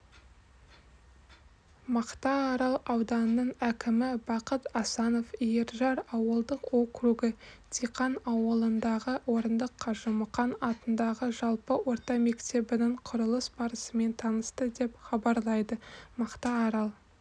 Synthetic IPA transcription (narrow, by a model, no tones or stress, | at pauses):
mɑqt̪ɑːɾɑlˠɑwd̪ɑnːəɴækʲɪmɪbɑqət̪ɑsɑno̞fijeɾʒɑɾɑwəlˠd̪əqokruɡɪt̪ʰiqɑnɑwəlˠənd̪ɑʁəwo̞ɾənd̪əqʰːɑʒʊməqɑnɑt̪ənd̪ɑʁəʒɑlˠpəwo̞ɾt̪ɑmekt̪e̞bɪnɪɴqʰʊɾəlˠəsbɑɾəsəme̞nt̪ʰɑnəst̪əd̪e̞pχɑbɑɾlˠɑjd̪əmɑqt̪ɑːɾɑlˠ